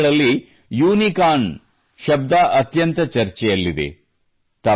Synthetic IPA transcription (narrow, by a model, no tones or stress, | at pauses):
ɭɐlːi | juːnikaːn | ʃɐb̚d̪aːʔɐt̪jɐnt̪ɐt͡ʃɐɾt͡ʃɛjɐlːid̪ḛ | t̪ɐ